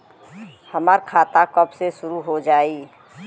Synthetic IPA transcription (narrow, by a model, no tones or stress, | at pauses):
həməɾkʰaːt̪akəpsesʊɾuɦod͡ʒaːi